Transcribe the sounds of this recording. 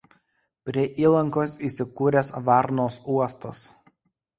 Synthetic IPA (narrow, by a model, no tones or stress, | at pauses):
pʲɾʲiɛʔiːlˠɐŋkoːsiːˑsʲɪkuːɾʲeːsʋɑˑɾnoːsuɔst̪ɐs